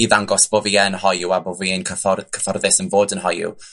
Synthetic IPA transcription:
iðaŋɡɔsb̥oviɛnhɔjuaboviɛnkʰəfɔrkʰə̥fɔrðɪsənvoːdənɦɔjṵ

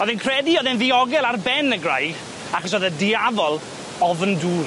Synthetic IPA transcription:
ɔðɪnkʰrɛdiɔðɪnðiɔɡɛlˠarbɛnəɡrajɡ | akəs̬ɔðədɪavɔlˠ | ɔvnduːr

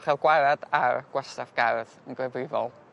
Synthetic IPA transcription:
χɛlˠɡwaɾadarɡ̥wɛstavɡ̥arðənɡwɛvrɪvɔ̰lˠ

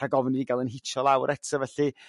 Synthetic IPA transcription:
aɡɔvniviɡalˠənɦɪt͡ʃʰɔlˠawɾʔɛtʰsəvɛɬɨ

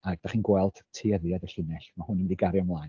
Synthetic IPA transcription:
aɡ̚daχiːnɡwɛlˠd̥tʰːiːəðiadəɬɪnɛɬmahʊnəmdiɡaɾjɔmlˠajn

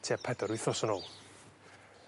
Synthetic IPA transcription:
tʰiapʰɛdɔɾwɪθɔsənoːlˠ

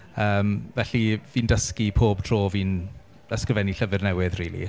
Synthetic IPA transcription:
əːmvɛɬiviːndəskipʰoːb̥̚tʰroːviːn | əskrɪvɛniɬəvɨrnɛwɪðriːlˠḭ

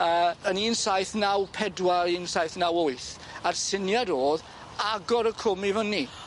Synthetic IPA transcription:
əːəniːnsajθnawpʰɛdwaiːnsajθnawʊɨθ | arsɪnjaɾoːð | aɡɔɾəkʰʊmivəni

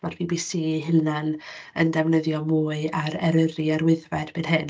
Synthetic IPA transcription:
marb̥iːbisiːɦɪlnanəndɛvnəðjɔmuːɨaɾɛɾəriaɾwɪðvɛd̥benɦɨn

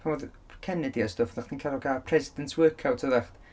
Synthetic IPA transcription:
pʰavɔð | kʰɛnɪdiɔstɔfðaχd̥iːnkʰalˠɔɡapʰr̥ɛzɪdəntʰwəːkʰawtʰəðaχt

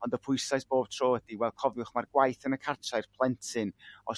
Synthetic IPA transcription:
ɔndəpʰʊɨsajsb̥oːb̥̚tʰroːəd̥iwɛlˠkʰɔvˠʊχmarɡwajθənəkʰartʰaɨrpʰlˠɛntʰɨnɔ

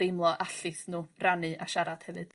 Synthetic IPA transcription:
ejmlˠɔʔaɬɨθnuːranɨʔaʃaɾad̥hɛvɨd̥

